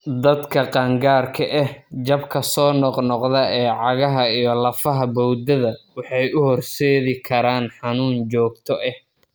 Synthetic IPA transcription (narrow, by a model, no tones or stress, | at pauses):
d̪ɐd̪kʰɐqɑːŋɡaːrkʰɐʔɛhd͡ʒɐbkʰɐsɔːnɔqnɔqðɐɛːʕɑɣɐɦɐijɞlɐfɐɦɐbɔwd̪ɐðɐwɑħɑjʔʊhɔrsɛːðɪkʰɐɾaːnħɑnuːnt͡ʃɔːɡ̚t̪ʰɔʔɛh